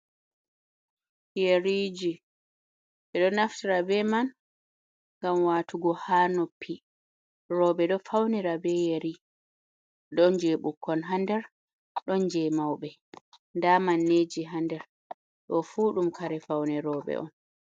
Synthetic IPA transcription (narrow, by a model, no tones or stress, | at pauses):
jeɾiːd͡ʒi | ʔɛɗɔnaftiɾabɛman | ŋɡamwaːtuɡɔhaːnɔpʰːi | ɾɔːɓɛɗɔfawniɾabɛjeɾi | ɗɔnd͡ʒɛɓukʰːɔnɦandɛɾ | ɗɔnd͡ʒɛmawɓɛ | ndamanːed͡ʒiɦandɛɾ | ɗɔfuɗumkʰaɾɛfawnɛɾɔːɓɛ̰ʔɔn